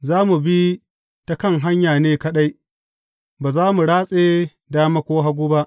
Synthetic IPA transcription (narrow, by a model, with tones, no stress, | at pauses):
zaː˦mu˨bi˦ | ta˦kɐ˦ŋɦa˦ɲjaː˨neː˦kɐ˦ɗa˦j | baː˨zaː˦mu˨ɽaː˦sʼeː˦ | daː˦mɐ˦kʷoː˦ɦa˦ɡʷuː˦ba˦ʔ